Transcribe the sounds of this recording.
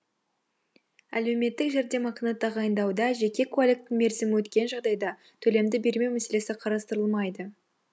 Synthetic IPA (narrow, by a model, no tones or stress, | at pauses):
æ̰le̞wme̞t̪ːɪkʒeɾd̪e̞mɑqənət̪ʰɑʁɑjənd̪ɑwd̪ɑʒe̞kʲe̞kʰolʲek̚t̪ːɪme̞ɾzɪmɪwɵt̪kʲe̞nʒɑʁd̪ɑjd̪ɑ | t̪ʰɵle̞md̪ɪbe̞ɾme̞wmæse̞le̞sɪqʰɑɾɑst̪əɾəlˠmɑjd̪ə